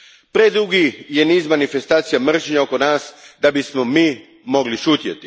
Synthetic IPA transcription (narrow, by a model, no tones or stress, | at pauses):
pɾed̪ɾuɡijeniːzmanifest̪aːt̪sijamr̩t͡ʃɲaokonaːsd̪abismomiː | mo̞ɡliʃuːt̪jet̪i